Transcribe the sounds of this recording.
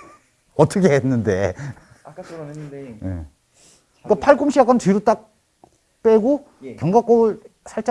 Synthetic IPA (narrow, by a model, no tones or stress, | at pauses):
ʌt͈ʰʌkʰeɦenːɯnde | jḛ | k͈apʰaɭɡumɕʰiak͈antiɾut͈ak̚ | p͈eɡo | kjʌŋɡak͈obɯɭ | sʰaɭt͡ɕ͈a